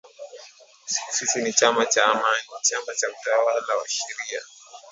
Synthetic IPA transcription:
sisinit͡ʃamat͡ʃaːmanit͡ʃamat͡ʃautawalawa̰ʃɛɾia̰

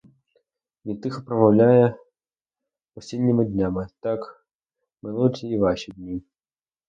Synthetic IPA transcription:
vʲit̪ːɨxpɾɐmɐwlʲajɛ | ɔsʲenʲːimɨd̪ʲnʲamɨt̪ak | mɨnut͡sʲiːvaʃʲid̪ʲnʲi

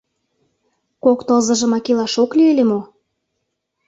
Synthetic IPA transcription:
kokt̪olzɤ̆ʒə̆mɑkilɑʃoklyelemo

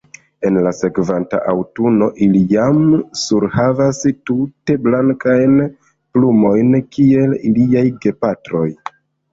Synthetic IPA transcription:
e̞nlase̞kvanta̰ʔawtuno̞ʔilijamsuɾhavastute̞blaŋkajn | plumo̞jnkʰie̞liliajɡe̞patɾo̞j

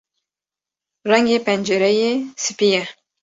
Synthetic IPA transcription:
rɐŋepʰænd͡ʒɛɾɛjesɨpijɛ

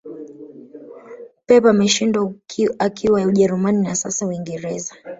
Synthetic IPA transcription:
pɛpamɛʃindaakʰiwajauʄɛɾumaninasasawiŋɡɛɾɛza

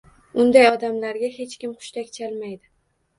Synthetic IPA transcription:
ʊnd̪ajɒd̪amlaɾɡʲaɦe̞t͡ʃkʲɪmqʰʊ̥ʃt̪ʰakʲt͡ʃʰalmajd̪ɪ

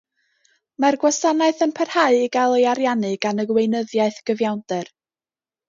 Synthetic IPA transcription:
marɡwasanaɨθənpʰɛr̥haɨiɡalˠejaɾjanɨɡ̥anəɡwejnəðjaɨθɡ̥əvjawndɛr

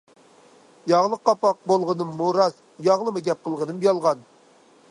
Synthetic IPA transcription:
jɑʁlˠəqːɑpɑq̚bolˠʁənɨmːuɾɑz | jɑʁlˠɨmɨɡʲɛp̚qʰəlˠʁənɨmjɑlˠʁɑn

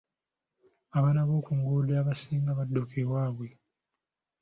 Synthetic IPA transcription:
aβanaβokuŋɡuleaβasiːŋɡaβadːokʰewaːβwe

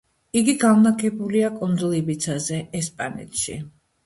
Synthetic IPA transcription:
iɡiɡamnakʰɛbuliakʼɔnd̪zɔlˠibit̪sʰazɛɛspʼanɛ̰t̪ʰʃḭ

